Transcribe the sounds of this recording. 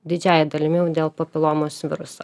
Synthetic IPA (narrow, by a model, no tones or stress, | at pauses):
d̪ʲɪd͡ʒʲæːjɛd̪ɐlʲɪmʲɛɛʊd̪ʲeːlˠpɐpʲɪlˠomoːsʋʲɪɾʊsɐ